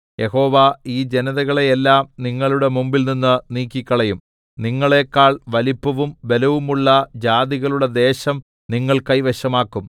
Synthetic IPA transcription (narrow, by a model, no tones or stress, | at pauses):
je̞ho̞ːʋaiːd͡ʑe̞nɐðɐɣɐɭeelːaːmniŋːɐɭuɽe̞mumbilninːɨniːkʲːikʲːɐɭɐjum | niŋːɐɭe̞ːkːaːɭʋɐlipːɐʋumbe̞lɐʋumuɭːɐd͡ʑaːd̪iɣɐɭuɽed̪e̞ːɕɐm | niŋːɐɭkɐjʋeɕɐmaːkːum